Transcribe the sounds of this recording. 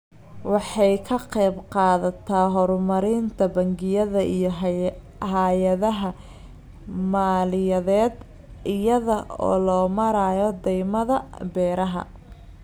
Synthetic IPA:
wɑħɑjkʰɐqɛjbqɑːðɐt̪ʰaːɦɔɾmɐɾɪnt̪ʰɐbɐŋɡɪjɐðɐʔijɔ | haːjɐðɐɦɐ | maːlɪjɐðɛːd̪ | ɪjɐðɐɔ̰ːlɔːmɐɾaːjɔd̪ɛjmɐðɐbɛːɾɐɦɐ̰

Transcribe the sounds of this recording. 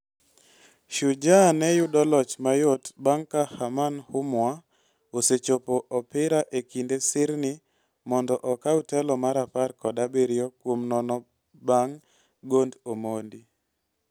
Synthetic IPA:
ʃud͡ʒanɛjudɔlɔt͡ʃmajotbaŋkahamanhʊmwa | oset͡ʃopoʔɔpɪɾaʔekindesɪɾnɪ | mɔndɔʔɔkautɛlɔmaɾaparkɔdabeɾjɔkwomnɔnɔ | baŋ | ɡondomondi

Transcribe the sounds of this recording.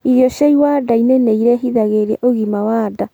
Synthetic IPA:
iðjɔʃaiwadainɛneiɾɛɦiðaɣeɾa̰ʔoɣimawada

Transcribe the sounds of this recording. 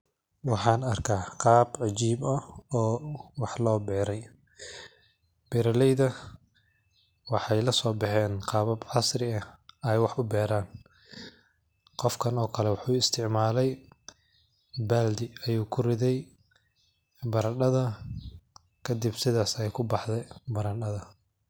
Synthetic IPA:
wɑħɑːnɐrkʰaqɑːbʕɑt͡ʃiːbɐɔːwɑħlɔːbɛːɾɛj | b̥ɛɾɐlɛjðɐ | wɑħɑjlɐsɔːbɑħɛːnqɑːβɐbʕɑsrɪɐjwɑħʊbɛːɾaːn | qɔfkʰɐnɔːkʰɐlɛwɑħuːɪst̪ʰɪʕmaːlɛj | baːld̪ɪɐjuːkʰʊrɪðɛj | bɐɾɐɗɐðɐ | kʰɐd̪ɪbsɪðaːsɛjkʰʊbɑħdɛbɐɾɐnɗɐðɐ

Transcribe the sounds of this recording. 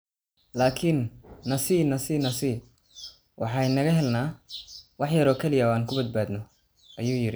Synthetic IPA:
laːkʰinːɐsiːnɐsiːnɐsiː | wʔɑħɑjnɐɣɐɦɛlnaːwɑħjɐɾɔːkʰɛlɪjɐɔːaːnkʰʊbɐd̪̚baːd̪nɔ | ʔɐjuːjɪɾɪ

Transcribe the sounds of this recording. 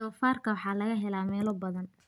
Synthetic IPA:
ɔːfaːrkʰɐwɑħɑːlɐɣɐɦɛlaːmɛːlɔbɐðɐn

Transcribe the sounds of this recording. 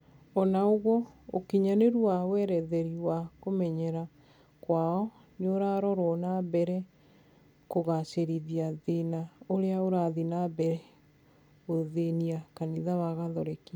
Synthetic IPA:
ɔnaoɣwɔo̰kiɲaneɾwawɛɾɛðɛɾiwakomɛɲɛɾa | kwaɔ | neoɾaɾɔɾɔnabɛɾɛ | koɣaʃeɾiðiaðenaoɾeaoɾaðinabɛɾɛ | oðeniakaniðawaɣaðɔɾɛki

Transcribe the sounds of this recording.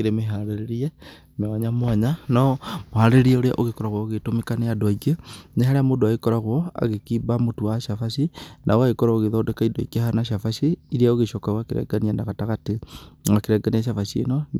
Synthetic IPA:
keɾemeɦaɾeɾeɾie | meaɲamwaɲanɔmohaɾeɾɾiaoɾea̰ʔoɣekɔɾaɣwɔɣetomekanejadwaiɡeneɦaɾeamodoaekɔɾaɣwɔa̰ɣekiːbamotuwaʃafaʃinʔaoaɣekɔɾaoɣeðɔdɛkaidɔikehanaʃafaʃiiɾiaoɣeʃɔkaɣwakeɾɛ̰ɡanianaɣataɣateŋakeɾɛɡaniaʃafaʃiḛnɔ

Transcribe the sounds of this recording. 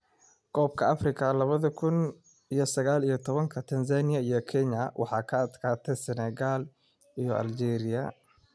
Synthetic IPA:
ɡʰɔːb̚kʰɐɐfrɪkʰɐlɐβɐðɐkʰʊn | ijɞsɐɣaːlijɞt̪ʰɔβɐŋkʰɐt̪ʰɐnsanɪjɐijɔkʰɛɲɐwʔɑ̰ħɑːkʰɐɐd̪kʰaːt̪ʰɛjsɛnɛɣaːl | ijɔʔɐ̰ld͡ʒɛːɾɪjɐ

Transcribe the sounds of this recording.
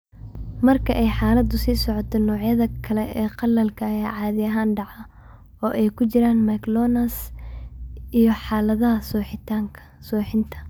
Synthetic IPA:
mɐrkʰɐʔɛjħaːlɐd̪ʊsiːsɔʕɔt̪ʰɔnɔːʕjɐðɐkʰɐlɛʔɛːqɑlːɐlkʰɐːjaːʕɑːðɪɐɦaːnɖɑʕɐ | ɔːʔɛjkʰʊt͡ʃɪɾaːnmɐklɔːnɐs | ʔijɞħaːlɐðɐɦɐsɔːħɪt̪ʰaːŋkʰɐ̥ | sɔːħɪnt̪ʰɐ̥

